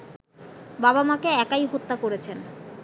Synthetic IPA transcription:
babamakeɛkajɦot̪ːakoɾet͡ɕʰen

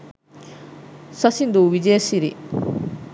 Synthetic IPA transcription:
sɐsind̪uʋid͡ʒɐjɐsiɾḭ

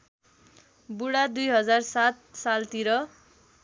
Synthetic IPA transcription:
buɽad̪ujɦʌd͡zarsat̪̚salt̪iɾʌ

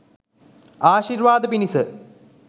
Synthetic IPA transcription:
aːɕiːɾʋaːd̪əpinisɨ

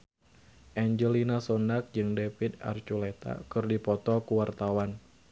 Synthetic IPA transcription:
ʔaɲd͡ʒəlinasɔndak̚d͡ʒɨŋdefid̪a̰rt͡ʃulet̪a̰kɨrdipɔt̪ɔkuwart̪awan

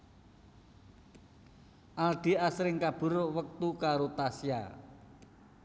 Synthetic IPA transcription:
ʔalɖ̪̥i̤asɾɪŋkab̥ṳɾoʔwək̚t̪ukaɾot̪asja̰

